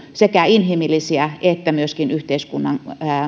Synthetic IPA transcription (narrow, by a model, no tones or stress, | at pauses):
sekæinhimilːˑisiæet̪ːæmyøskinyht̪eiskunːɑ̰ŋ